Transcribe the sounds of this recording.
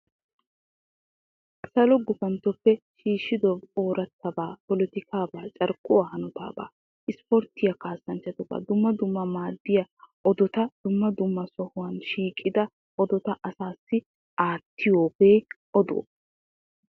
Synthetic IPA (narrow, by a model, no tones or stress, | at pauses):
sɐlɔɡʊfɐnt̪ːɔpːɛʃiːʃɪd̪ɔoːɾɐt̪ːɐbaːpɔlɔt̪ɪkʰaːbaːt͡ʃʼɐɾkʼʊwahɐnʊt̪a̰ːba̰ː | ʔɪspɔɾt̪ɪjɐkaːsːɐnt͡ʃːɐt̪ɔba̰ːd̪ʊmːɐd̪ʊmːɐmaːd̪ːɪjɐʔɔd̪ɔt̪ɐd̪̥ʊmːɐd̪ʊmːɐsɔhʊwɐnʃiːkʼːɪd̪ɐ | ʔɔd̪ɔt̪ɐʔɐsaːsːɪ | ʔaːt̪ʰːɪjoːbeːʔɔd̪o̰ː